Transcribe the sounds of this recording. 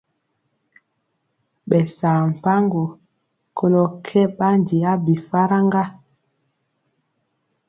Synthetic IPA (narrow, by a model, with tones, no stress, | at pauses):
ɓɛ˨saː˨m̩˨pa˦ŋɡo˨ | kʰo˦lɔ˨kʰɛ˦ɓa˦ndi˨a˦bi˨fa˦ɾa˦ŋɡa˦